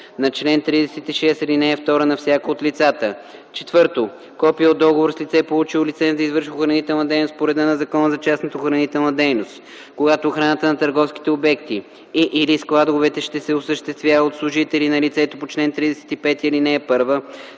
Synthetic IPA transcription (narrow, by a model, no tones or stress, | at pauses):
nɐt͡ʃlɛnt̪ɾid̪ɛsɛt̪iʃɛsilinɛːft̪ɔɾənɐfsʲjakəot̪lit̪sat̪ə | t͡ʃɛt̪vɤɾt̪o | kɔpiəod̪ɔɡovoɾslʲit̪sɛpolˠut͡ʃilit̪sɛnzɐizvɤɾʃvoxɾɐnit̪ɛlˠnəd̪ɛjnost̪̚poɾɛd̪ənɐzɐkɔnəzɐt͡ʃasnot̪ːxɾɐnit̪ɛlˠnəd̪ɛjnost̪ | koɡat̪oːxɾanət̪ənɐt̪əɾɡɔfskʲi̥t̪ɛobɛkt̪i | ʔilisklˠad̪ʊvɛt̪ɛʃt̪ɛsɛosəʃt̪ɛst̪vʲjaot̪slˠʊʒit̪ɛlinɐlit̪sɛt̪opot͡ʃlɛnt̪ɾid̪ɛsɛ̥t̪ipɛt̪iɐlinɛːpɤɾvə